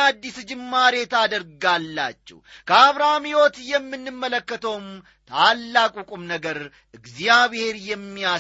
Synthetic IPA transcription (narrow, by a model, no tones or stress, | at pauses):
ad̪ːisd͡ʒɪmːaɾe̞t̪ad̪əɾɡalːa̰t͡ʃːɛ̰wkʰəaβɾamiwɔt̪jɛmːɨnːɨmːələkːət̪ʰəwm | t̪ʰalːakʼukʼumnəɡəɾ | ɨɡzjjaβhe̞ɾjɛmːia